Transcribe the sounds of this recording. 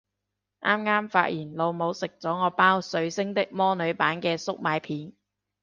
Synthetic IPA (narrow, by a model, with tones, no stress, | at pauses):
ʔaː˥mŋaː˥mfa̰ː˧t̚jiː˨˩nlo˨˧wmo˨˧wsɪ˨k̚t͡sɔː˨˥ŋɔː˨˧paː˥wsɵ˨˧ɥsɪ˥ŋt̪ɪ˥k̚mɔː˥nɵ˨˧ɥpaː˨˥nkɛː˧sʊ˥k̚maː˨˧jpʰiː˨˥n